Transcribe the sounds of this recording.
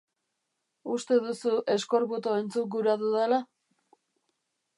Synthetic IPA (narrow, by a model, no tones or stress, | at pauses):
ust̪e̞ðusuʔe̞sko̞ɾβut̪oent͡suk̚ɡuɾaðuðela